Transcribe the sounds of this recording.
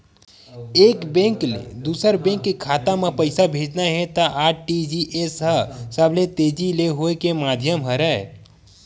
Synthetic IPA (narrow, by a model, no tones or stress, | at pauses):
eːkbɛ̃ŋkl̰d̪uːsəɾbɛ̃ːŋkːikʰaːt̪amẽpəɪsabʱeːd͡ʒnaɦɛt̪aʔaːʈid͡ʒiʔesɦəsəblet̪eːd͡ʒileɦoekemaːd̪ʱjəmɦəɾɛe